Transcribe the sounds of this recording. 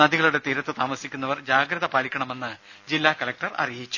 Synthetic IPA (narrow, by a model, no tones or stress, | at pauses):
ɐðiɣɐɭuɽe̞t̪iɾɐt̪ːɨt̪aːmɐsikʲːunːɐʋɐrd͡ʑaːɡɾɐðɐpaːlikʲːɐɳɐme̞nːɨd͡ʑilːaːkɐlɐk̚ʈɐrɐ̰rijit͡ɕːu̥